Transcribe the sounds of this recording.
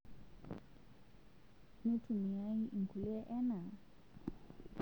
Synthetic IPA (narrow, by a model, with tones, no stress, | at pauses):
ni˦tʰu˨mi˨a˦i˦ʔi˨ŋ̩˨ku˨li˦ɛ˦ʔɛ˦na˨